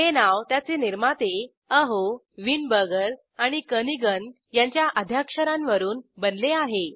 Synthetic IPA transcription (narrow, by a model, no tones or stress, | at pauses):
ɦenaʋt̪jat͡seniɾmat̪e | əɦo | ʋinbəɡəɾ | aɽ̃ikəniɡən | jaɲt͡ɕjaʔəd̪ʱjakʂəɾãnʋəɾuːnbənleaɦe